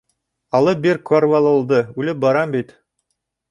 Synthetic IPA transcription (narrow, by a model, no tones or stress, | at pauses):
ɑlˠɤbeɾkaɾvɑlˠŏlˠd̪ɤʉlɘp̚bɑɾɑmbit̪